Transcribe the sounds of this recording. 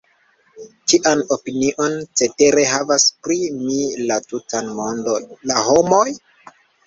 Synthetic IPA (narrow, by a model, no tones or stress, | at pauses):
t͡ʃiʔano̞piniʔo̞nt͡se̞te̞ɾe̞ɦavaspɾimilatutanmo̞ndonlaho̞mo̞j